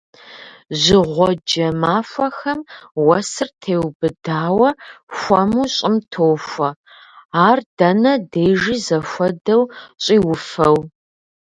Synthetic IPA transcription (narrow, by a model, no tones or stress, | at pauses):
ʑɪʁʷɔd͡ʒɐmaːfʷɐxɐmwɐsɨrtʰeːwbɨdaːwɐxʷɔmuːɕʼɪmtʰoːfʷɐ | aːrd̥ɐnɐdeːʒizɐfʷɔdɐwɕʼiːwʊfɐw